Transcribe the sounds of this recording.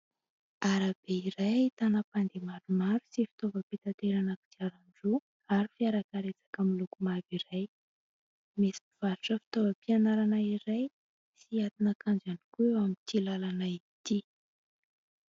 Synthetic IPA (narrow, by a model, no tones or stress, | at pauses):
aɾab̥eiɾajt̪anəpand̪emaɾumaɾu̥sifi̥t̪ovəpit̪at̪eɾanaku̥d̪iaɾaɳɖ͡ʐu | aɾifiaɾakaɾet͡sḁkəmilukumaviɾaj | mesi̥iv̥aɾuʈ͡ʂəfi̥t̪ovəpianaɾanaiɾaj | siat̪inat̪kand͡ʒanikuewamint̪ilalanai | t̪i